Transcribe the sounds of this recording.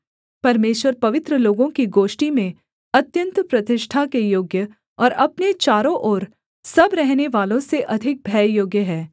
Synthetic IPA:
pɐɾmeːʃwəɾpɐʋɪt̪ɾəloːɡõkiɡoːʃʈimẽ | ɐt̪jə̃nt̪pɾɐt̪ɪʃʈʰakejoːɡjə | ɔːɾɐpnet͡ʃaːɾõʔɔːɾ | sɐbɾɛɦneʋaːlõseʔɐd̪ʱɪk̚bʱɛːjoːɡjəɦɛː

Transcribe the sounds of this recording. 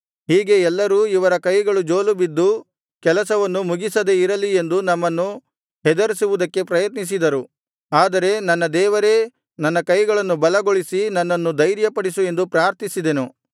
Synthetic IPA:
ɦiːɡe̞ɛlːɐɾuːiʋɐɾɐkɐjɡɐɭud͡ʒo̞ːlubid̪ːu | kɛlɐsɐʋɐnːumuɡisɐd̪e̞iɾɐlie̞nd̪unɐmːɐnːu | ɦɛd̪ɐɾisiʋud̪ɐkːe̞pɾɐjɐt̪nis̬id̪ɐɾu | aːd̪ɐɾe̞nɐnːɐd̪ɛːʋɐɾe̞ | nɐnːɐkɐjɡɐɭɐnːubɐlɐɡo̞ɭisinɐnːɐnːud̪ɐjɾjɐpɐɽisue̞nd̪upɾaːɾt̪isid̪e̞nu

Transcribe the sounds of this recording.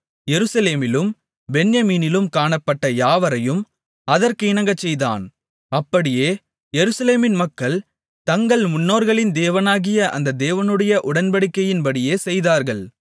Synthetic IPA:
jɛɾɯsɐleːmɪlɯm | bɛnjɐmiːnɪlɯmkaːɳɐpːɐʈːɐjaːʋɐɾɐjɯm | ɐðɐɾkɯɪnɐŋɡɐt͡ʃːɛjða̰ːn | ɐpːɐɽɪjeː | jɛɾɯsɐleːmɪnmɐkːɐɭ | t̪ɐŋɡɐɭmʊnːoːɾɣɐɭɪnd̪eːʋɐnaːɣɪjɐʔɐ̰nd̪ɐd̪eːʋɐnɯɽɐjɐʔʊɽɐnbɐɽɪkːɐjɪnbɐɽɪjeːsɛjðaːɾɣɐɭ

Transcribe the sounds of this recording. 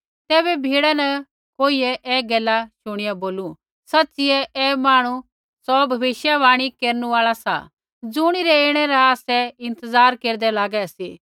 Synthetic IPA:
t̪ɛːbɛbʱiːɽanɐ | koːiɛʔɛːɡɛːlaʃʊɽ̃ɪjaboːlu | sɐtːt͡ʃɪɛɛːmaːɽ̃u | sɔbʱɐʋɪʃjaʋaːɽ̃ikeːɾnũaːɭasa̰ | d͡zʊɽ̃iɾɛeːɽ̃ɛɾaaːsɛɪ̃nt̪əzaːɾkeːɾd̪ɛlaːɡɛɐsiː

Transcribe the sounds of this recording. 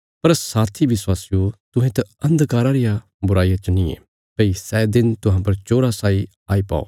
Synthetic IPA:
pɐɾsaːt̪ʰiʋɪswaːsɪjot̪ʊɦẽt̪ɐɐ̃nd̪kaːɾaɾɪja | bʊɾaːijat͡ʃɐnĩḛː | peːisɛːd̪ɪnt̪ʊɦãpɐɾt͡ʃoːɾasaːi | aːipa̰ːo̰ː

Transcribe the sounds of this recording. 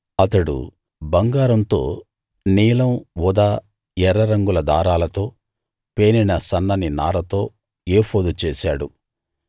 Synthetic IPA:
ɐt̪ɐɽṵ | bɐŋɡaːɾɐnt̪o̞ː | niːlɐmʋɔd̪aː | ɛɾɐɾɐŋɡulɐd̪aːɾaːlɐt̪o̞ː | pe̞ːninɐsɐnːɐninaːɾɐt̪o̞ː | eːpoːd̪ut͡ʃeːʃa̰ːɽu

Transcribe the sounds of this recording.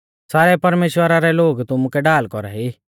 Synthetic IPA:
saːɾɛpɐɾmeːʃwəɾaɾɛloːɡt̪ʊmukɛɖaːlkɔɾaɦi

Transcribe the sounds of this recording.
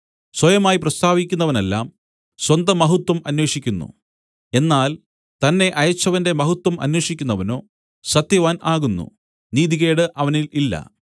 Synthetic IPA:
swɐjɐmaːjiprɐst̪ʰaːʋikʲːunːɐʋɐne̞lːaːm | swɐnd̪ɐmɐɦut̪ːwɐmɐnwe̞ːʂikʲːunːṵ | e̞nːaːl | t̪ɐnːe̞ʔɐjɐt͡ɕːɐʋɐnde̞mɐɦut̪wɐmɐ̰nwe̞ːʂikʲːunːɐʋɐno̞ː | sɐt̪jɐʋaːnaːɣunːṵ | niːðiɣeːɽɨʔɐʋɐnililːɐ̰

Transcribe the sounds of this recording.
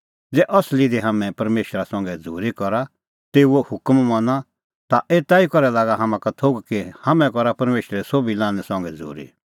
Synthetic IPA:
d͡zɛʔɔslid̪eɦamɛ̃pɐɾmeːʃɾasɔ̃ŋɡɛd͡zʱuːɾikɔɾa | t̪eːuohʊkmmɔ̃na | t̪aʔeːt̪aːikɔɾɛlaːɡaɦɐmãkat̪ʰoːɡkehɐmɛ̃kɔɾapɐɾmeːʃɾɛsoːbilãːnɛsɔ̃ŋɡɛd͡zʱṵːɾḭ

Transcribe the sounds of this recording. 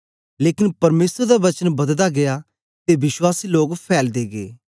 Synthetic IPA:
leːkɪnpɐɾmeːsəɾd̪aʋɐt͡ʃənbɐd̪d̪aɡɪja | t̪ebɪswaːsiloːɡpʰɛːld̪eːɡḛː

